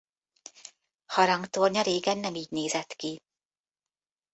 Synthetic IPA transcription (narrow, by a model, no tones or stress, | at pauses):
hɒɾɒŋkt̪orɲɒɾeːɡɛnːɛmiːɟneːzɛt̪ki